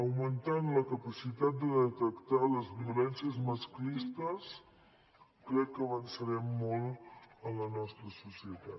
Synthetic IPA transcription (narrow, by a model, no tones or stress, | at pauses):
əwmənt̪anləkəpəsit̪at̪̚d̪əðət̪əkt̪aləzβiulɛnsiəzməsklist̪əs | kɾɛkːəːβənsəɾɛmːɔlˠələnɔst̪ɾəsusiət̪at̪